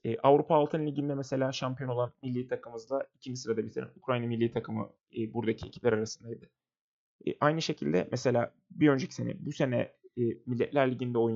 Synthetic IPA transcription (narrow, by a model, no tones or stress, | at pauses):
ɛːʔavɾupʰaːlˠt̪ʰɯnlʲiɟind̪ɛmɛse̞lʲaːʃampʰijo̞no̞lˠanmilʲːiːt̪ʰakʰɯmɯzd̪ˠaicʰimisɯɾad̪abit̪ʰiɾɛ̰nukɾajnamilʲːiːt̪ʰakʰɯmɯ̰ː | buɾd̪acʰie̞cʰi̥p̚lʲæɾaɾasɯnd̪ajd̪ɯ̰ | ʔajnɯʃe̞cʰilʲd̪ɛ̰mʔɛse̞lʲaː | biø̞nd͡ʒecʰi̥senɛ̰buse̞nɛ̰ːmilʲːɛt̪lʲæɾlʲiɟind̪ɛo̞jun